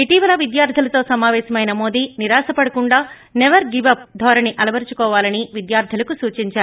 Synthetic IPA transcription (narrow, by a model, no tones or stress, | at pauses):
iʈiːʋɐlɐʋid̪jaːɾt̪ʰilɐt̪o̞ːsɐmaːʋɛːʃɐmɐjnɐmo̞ːd̪iːniɾaːsɐpɐɽɐkuɳɖaː | nɛʋɐɾɡiʋɐp̚d̪ʱɔːɾɐniʔɐlɐbɐɾt͡ʃukɔːʋaːlɐniʋid̪jaːɾd̪ʰʱilɐkusuːt͡ʃiɲt͡ʃaːɾu